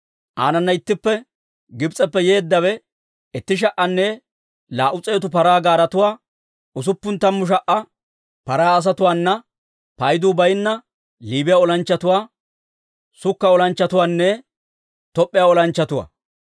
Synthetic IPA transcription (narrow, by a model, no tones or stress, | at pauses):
ʔaːnɐnːɐɪt̪ːɪpːɛ | ɡɪbt͡sʼɛpːɛje̞ːd̪ːɐwɛ | ɛt̪ːɪʃ̬ɐʔɐnːɛ | laːʔʊt͡sʼeːt̪ʊpɐɾaːɡaːɾɐt̪ʊwaː | ʊs̬ʊpːʊnt̪ɐmːʊʃ̬ɐʔɐ | pɐɾaːɐs̬ɐt̪ʊwaːnːɐ | pɐjd̪uːbɐjnːɐ | liːbɪjaɔlɐnt͡ʃːɐt̪ʊwaː | sʊkːɐɔlɐnt͡ʃːɐt̪ʊwaːnːɛ | t̪ɔpʼːɪjaɔlɐnt͡ʃːɐt̪ʊwa̰ː